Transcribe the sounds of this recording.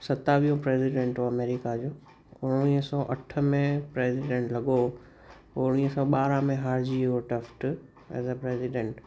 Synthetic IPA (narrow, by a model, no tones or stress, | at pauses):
sɐt̪aʋijõpɾeːsiɖẽːɳʈɔɐmeːɾɪkad͡ʑoː | ʊɽ̃iːɦsɔːʔɐʈʰə̆mẽpɾeːsɪɖẽːɳʈlɐɠo | ʊɽ̃iːɦəsɔːɓaːɾãmẽɦaːɾd͡ʑioʈəfʈ | ɛ̰ːzəpɾeːsɪɖẽːɳʈ